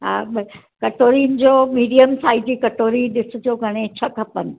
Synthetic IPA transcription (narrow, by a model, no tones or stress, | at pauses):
ɦaɓ | kɐʈoːɾiːnɪd͡ʑoːmiːɖijəmsaːid͡ʑiːkɐʈoːɾiɗɪsɪ̆t̪ʰioːɡʱɐɽ̃ẽt͡ɕʰɐkʰɐpənɪ̆